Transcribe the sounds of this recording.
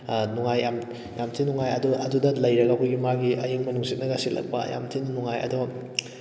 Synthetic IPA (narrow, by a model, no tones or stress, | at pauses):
nuŋajam | jamtʰinuŋajɐduʔɐdudɐlɐjɾɐɡɐkʰojɡimaɡiɐjuŋmɐnuŋsit̚nɐɡɐsilɐ̰k̚pɐ̰ja̰mtʰinnuŋajɐ̰duɡɐ